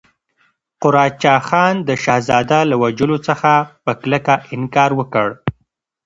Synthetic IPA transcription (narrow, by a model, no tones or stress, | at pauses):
qʊɾɑt͡ʃɑxɑnd̪əʃɑhzɑd̪alawad͡ʒəlot͡səxapəkləkaʔɪŋkɑɾwəkəɽ